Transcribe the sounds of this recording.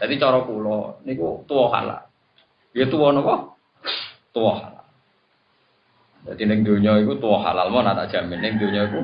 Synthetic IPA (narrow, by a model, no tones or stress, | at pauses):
d̪̥ad̪it͡ʃɔɾɔkulɔnikut̪uwɔha̰la̰ | jet̪uwɔnɔkɔ | t̪uwɔha̰la̰ | d̪̥ad̪inɪŋd̪o̤ɲɔikut̪uwɔha̰lalmɔnat̪a̰ʔd̥ʒ̥a̤mɪnːɪŋd̪oɲɔiku